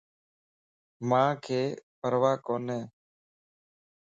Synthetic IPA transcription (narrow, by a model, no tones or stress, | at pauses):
mãːkʰeːpəɾʋaːkoːnɛː